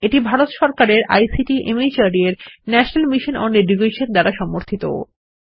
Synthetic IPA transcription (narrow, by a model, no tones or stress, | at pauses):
eʈibʱaɾot̪ʃɔɾkaɾeɾa̰jsiʈiʔemit͡ɕaɾieɾnɛʃonelmiʃonɔneɖiɡeʃeɾd̪aɾaʃɔmoɾt̪ʰit̪o̰